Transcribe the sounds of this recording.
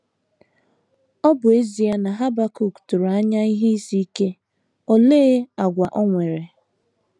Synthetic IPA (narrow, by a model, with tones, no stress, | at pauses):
ɔ˦bʊ˨e˦zi˨a˦na˨ɦa˦ba˦ku˨ku̥˨tu˨ɾa˦ɲa˦i˦ɦe˦i˦si˦ke˦ | o˨le˦a˨ɡʷa˨ʔɔ˦ŋʷe˨ɾe˨